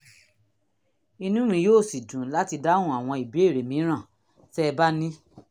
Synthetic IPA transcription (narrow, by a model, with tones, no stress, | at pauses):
i˧nũ˦mĩ˧joː˦˨si˨d͡ʒũ˨˦la˦ti˧da˦hũ˦˨a˨w̃ɔ̃˧i˨bi˨˦e˦˨ɾe˨mĩ˨˦ɾ̃ã˦˨ | fɛ˦˧ba˦nĩ˦